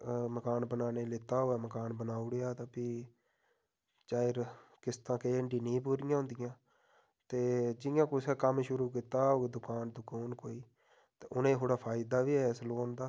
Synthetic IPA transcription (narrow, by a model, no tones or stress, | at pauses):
məkaːnbənaːneːlɪt̪aːɦoːɛːməkaːnbənaːʊɽeːaːt̪ãːpiː | t͡ʃaːɪɾkɪst̪ãːkeːəɳɖiːnĩːp̬uːɾɪjãːɦʊ̃ːnd̪ɪjãː | t̪eːd͡ʒɪjãːkʊsɛːkəmʃʊɾuːkiːt̪aːoːd̪ʊkaːnd̪ʊkoːnkoːiː | t̪eːʊnẽːɦoːɽaːpʰaːɪd̪aːʋiːɛːsloːnd̪aː